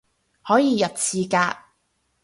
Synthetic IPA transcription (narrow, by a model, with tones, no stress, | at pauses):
hɔː˨˥jiː˨˧jɐ˨p̚t͡sʰiː˨˧kaː˧k̚